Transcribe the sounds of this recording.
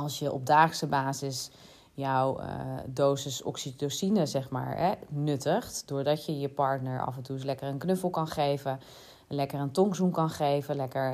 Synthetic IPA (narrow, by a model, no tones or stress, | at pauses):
ɑlˠsjəʔɔ̰b̚daːχsəbaːzɪs | jɔwdowsəsɔ̰ksidosinəzɛχma̰ːɹɦɛnɵtəχtdʊːɹdɑtjəjəpɑɹtnəɹɑ̰fɛntuslɛkərənknɵfəl̩ˠkɑnχejvən | lɛkərəntɔŋzumkɑnχejvənlɛkəɹ